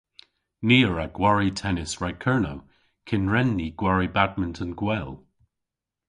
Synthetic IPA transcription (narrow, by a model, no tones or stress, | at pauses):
niːɹaɡ̥waɹitʰɛnɪsɹakʰɜːnow | kʰɪnɹɛnːiɡ̥waɹibad̚məntʰə̃nɡwɛlˠ